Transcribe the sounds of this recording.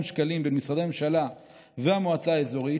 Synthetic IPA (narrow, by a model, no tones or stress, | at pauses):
mʃkalimbenmisʁad̪ememʃala | veamoat͡saːezo̞ʁi